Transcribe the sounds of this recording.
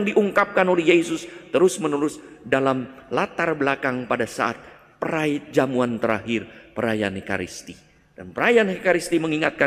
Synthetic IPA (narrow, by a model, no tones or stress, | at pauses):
ŋdiʔuŋkap̚kanolɛhjesʊst̪əɾʊsmənulʊsdalamlat̪arbəlakaŋpadasa̰at̪̚ | pəɾad͡ʒamuant̪əɾa̰ɦɪrpəɾaja̰neka̰ɾḭst̪i | d̥anpəɾajanhekaɾist̪iməŋiŋat̪̚ka